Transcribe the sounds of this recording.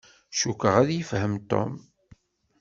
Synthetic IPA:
ʃukəʁæðjəfhəmt̪o̰m

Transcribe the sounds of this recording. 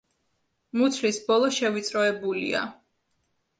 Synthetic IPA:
mut̪ʰlisbɔlˠɔʃɛvit̪sʼɾɔɛbulḭa̰

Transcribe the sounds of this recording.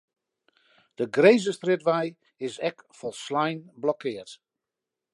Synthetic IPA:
d̥əɡrejzəstrɪdʋɛj | ɪsɛkfɔlˠslajnblɔkɪərt

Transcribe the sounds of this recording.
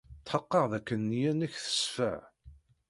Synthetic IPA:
t̪ːħəqːɑʁðækːənːjænæçθə̥sfə̰ʕ

